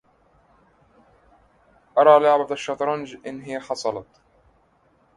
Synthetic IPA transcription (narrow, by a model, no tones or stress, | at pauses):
ʔɑɾˤɑːlʊʕbat̪aʃːɑt̪ˤɾˤɑnd͡ʒʔɪnːɦɪjaħɑsˤɑlɑt̪